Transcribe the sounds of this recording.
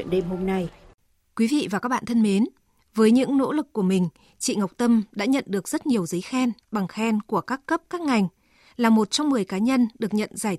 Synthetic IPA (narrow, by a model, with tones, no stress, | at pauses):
nɗe˧mɦo˧mna˧j | kwi˨˦vḭ˧˨vaː˨˩kaː˦˥k̚ɓ̰a̰˧˨t̪ʰə˧nme˨˦n | vəː˨˦jɲɨ̰˧˥ŋno̰˧˥lɨ˨˩kːu˧˩əmï˨˩ŋ̟ | t͡ɕḭ˧˨ŋa˨˩wk͡p̚t̪ə˧mɗa̰ː˧˥ɲə̰˧˨nɗɨ˨˩ək̚zə˦˥t̚ɲi˨˩əwzə˨˦jxɛ˧nɓa˨˩ŋxɛ˧nku˧˩əkaː˦˥kːə˦˥p̚kaː˦˥k̚ŋa˨˩jŋ̟ | laː˨˩mo˨˩t̚t͡ɕɔ˧wŋ͡mmɨ˨˩əjkaː˨˦ɲə˧nɗɨ˨˩ək̚ɲə̰˧˨nzaː˧˩j